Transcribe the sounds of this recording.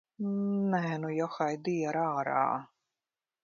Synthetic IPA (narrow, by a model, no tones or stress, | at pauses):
nɛːnujɔxajd̪ijaɾaːɾa̰ː